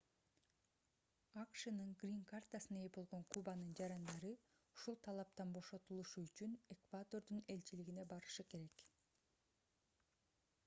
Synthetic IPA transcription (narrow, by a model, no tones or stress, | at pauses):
ɑkʃɯnɯŋɡrʲiŋkart̪asɯnebo̞lˠʁo̞ɴkʰubanɯnd͡ʒɑɾɑnd̪ɑɾɯ | uʃulˠt̪ʰɑlˠɑp̚t̪ɑnbo̞ʃo̞t̪ulˠuʃuyt͡ʃyne̞kvad̪o̞rd̪une̞lt͡ʃiliɡine̞bɑɾɯʃɯke̞ɾe̞k